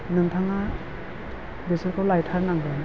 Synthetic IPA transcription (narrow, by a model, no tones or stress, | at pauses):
nɯŋtʰaŋa | besɯɾkʰawlajtʰaɾnaŋdɯn